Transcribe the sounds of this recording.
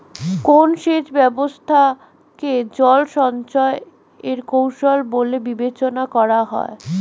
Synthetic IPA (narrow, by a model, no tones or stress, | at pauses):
konʃeʃbɛbost̪ʰa | ked͡ʑɔlʃɔnt͡ɕɔe | eɾkowʃolbolebibet͡ɕonakɔɾaɦɔ̰e